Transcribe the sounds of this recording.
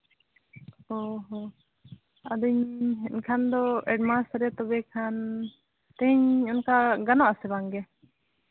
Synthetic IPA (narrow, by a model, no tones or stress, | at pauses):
ɔɦɔ | ad̪uɲɦɛnkʰand̪ɔɛɖmastɾɛt̪ɔbɛkʰan | t̪ɛɦɛɲɔnkaɡanaʔasɛbaŋɡɛ